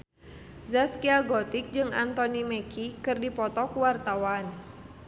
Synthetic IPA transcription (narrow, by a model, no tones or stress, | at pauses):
zaskiaɡɔt̪ik̚d͡ʒɨŋa̰nt̪ɔnimɛkʰikɨrdipɔt̪ɔkuwart̪awan